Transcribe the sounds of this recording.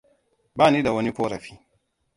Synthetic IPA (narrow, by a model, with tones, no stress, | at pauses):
baː˦˨niː˦da˨wɐ˦ni˦kʷoː˦ɾɐ˨ɸiː˦